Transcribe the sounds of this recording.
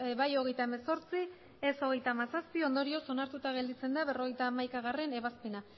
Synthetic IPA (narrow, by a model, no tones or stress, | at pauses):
βajo̞ɣ̞e̞jt̪ae̞me̞so̞ɾt͡si | eso̞ɣ̞e̞jt̪aːmasaspio̞nd̪o̞ɾio̞so̞naɾt̪ut̪aɣ̞e̞ld̪it͡se̞nd̪aβe̞ro̞ɣ̞e̞jt̪aːmajkaɣ̞are̞ne̞βaspe̞na